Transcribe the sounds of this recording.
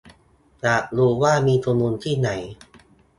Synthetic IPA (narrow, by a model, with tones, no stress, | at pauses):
t͡ɕaː˨˩k̚ɾuː˧waː˥˩miː˧t̪ʰu˧muː˧nt̪ʰiː˥˩na˩˦j